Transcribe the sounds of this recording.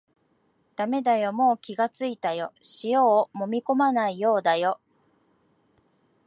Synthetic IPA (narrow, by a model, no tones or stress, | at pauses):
d̪̥ame̞d̪ajo̞mo̞ːkʲiɡat͡sɨit̪ajo̞ɕijo̞ːmo̞mʲiko̞manaijo̞ːd̪ajo̞